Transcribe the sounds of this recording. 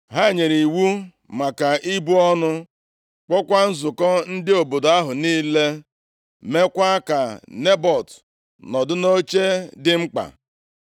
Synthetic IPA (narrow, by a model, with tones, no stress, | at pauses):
ɦa˦˨ɲe˨ɾi˨wu˦ | ma˨ka˨ʔi˦bu˦ɔ˦nʊ˦ | k͡pɔ˦kʷa˦n̩˦zʊ˨kɔ˦n̩˦dɪ˦o˨bo˨do˨a˦ɦʊ˨niː˦le˦ | me˦kʷa˦ka˨ne˦bɔ˨t | nɔ˨dʊ˦no˦t͡ʃe˦dɪ˦ŋ͡m̩˦k͡pa̰˨